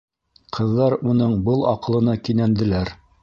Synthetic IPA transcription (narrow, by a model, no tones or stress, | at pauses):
qʰɤ̆ðːɑɾunɤɴbɤlˠɑ̰qɤ̆lˠɤ̆nɑkinænd̪ɘ̆læɾ